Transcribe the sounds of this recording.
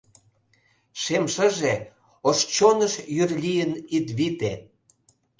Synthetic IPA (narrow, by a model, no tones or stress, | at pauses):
ʃemʃəʒe | oʃt͡ɕonəʃjyrlʲijənit̪βit̪e